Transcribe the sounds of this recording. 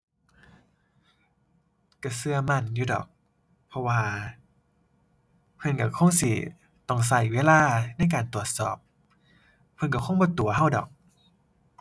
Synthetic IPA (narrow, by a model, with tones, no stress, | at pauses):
ka˧˩sɯ˧ɐma˧˩˨njuː˧˩dɔ̰ː˨˩k̚ | pʰɔ˧waː˧ | pʰɤ˧nka˧˩kʰo˧˥˨ŋsi˧˩ | t̪ɔ˧˩ŋs̬a˧˩jweː˦˥˨laː˧˥˩na˧˥˩jkaː˨˩nt̪u˨˩ət̪̚sɔ̰ː˨˩p̚ | pʰːɤ˧nka˧˩kʰɔ˧˥˨ŋbɔː˧˦t̪u˨˩ɐɦa˧˥˩wdɔ̰ː˨˩k̚